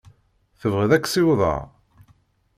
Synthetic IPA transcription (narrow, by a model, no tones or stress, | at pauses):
θəvʁiðækːsiwðˤɑ̰ɾ